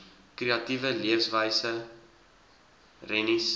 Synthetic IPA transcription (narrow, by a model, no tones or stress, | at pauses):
kriɐtivəliəfsvəjsə | rɛnis